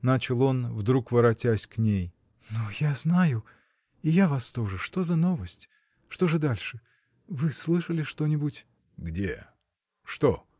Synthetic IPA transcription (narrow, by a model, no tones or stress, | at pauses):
nat͡ɕɪlˠo̞nvd̪ɾukvəɾɐtʲæsʲknʲej | nujaznajʊ | ijavast̪o̞ʐɨʂt̪o̞zɐno̞vəsʲtʲ | ʂt̪o̞ʐɨd̪alʲʂɨ | vɨslˠɨʂəlʲɪʂt̪o̞nʲɪbutʲ | ɡdʲḛ | ʂt̪o